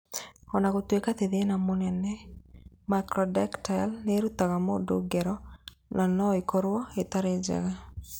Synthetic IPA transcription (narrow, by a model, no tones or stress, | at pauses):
ɔnakotwekat̪eðenamonɛnɛ | makɾɔdɛktalneɾut̪aɣamɔdoɡɛɾɔ | nʔanɔikʰɔɾwɔet̪aɾed͡ʒɛ̰ɣa